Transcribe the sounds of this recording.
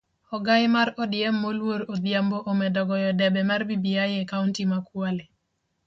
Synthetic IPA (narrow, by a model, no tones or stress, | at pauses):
ɔɡajɪmaɾodjɛmːolwoɾod̪jamboʔomɛdɔɡɔjɔdɛbɛmarbibiajekauntimakwale